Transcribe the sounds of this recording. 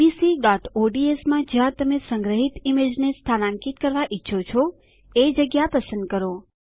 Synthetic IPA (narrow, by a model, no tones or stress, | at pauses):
isiɖɔʈoɖiesmãd͡ʒãt̪əmesəŋɡɾəɦit̪imed͡ʒnest̪ʰanãŋkit̪kəɾʋaʔitːʃʰot͡ʃʰo | ed͡ʒəɡjapəsə̃nd̪̚kəɾo